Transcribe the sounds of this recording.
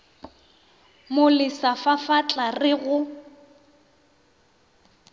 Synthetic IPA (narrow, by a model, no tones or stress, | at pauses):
mʊlɪsafafat͡ɬʼarɪɣʊ